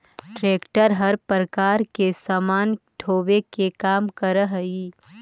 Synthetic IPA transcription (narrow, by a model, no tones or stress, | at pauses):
ʈɾeːkʈəɾɦɐɾpəɾəkaːɾkesamaːnɖʰʱoːʋekekaːmkəɾəɦiː